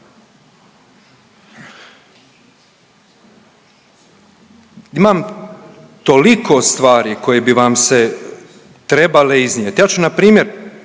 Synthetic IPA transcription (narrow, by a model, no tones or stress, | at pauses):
imam | t̪o̞liko̞st̪ʋaːɾiko̞jebiʋamse | t̪ɾe̞baleiznʲjet̪jaːt͡ʃunapɾiːmje̞ɾ